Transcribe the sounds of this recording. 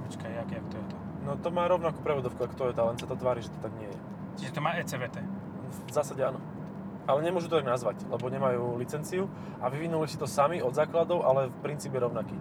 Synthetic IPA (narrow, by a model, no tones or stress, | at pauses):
pɔt͡ʃkajakɛakt̪ɔjɛt̪ɔ | nɔt̪ɔmaːɾɔʊnakuːpɾɛʋɔd̪ɔʊkuakt̪ɔjɛt̪ɔlɛnsat̪ɔt̪ʋaːɾiʒɛt̪ɔ̥t̪aɡɲɪɛjɛ | t͡ʃiʒɛt̪ɔmaːɛːt͡sɛːʋɛːt̪ɛː | vzaːsaɟɛanɔ | alɛɲɛmʊɔʒut̪ɔt̪aɡnazʋaclɛbɔɲɛmajuːlit͡sɛnt͡siu | ʔaʋiʋinulisi̥t̪ɔsamiɔd̪zaːklad̪ɔʊʔalɛfpɾint͡siːpɛjɛɾɔʊnakiː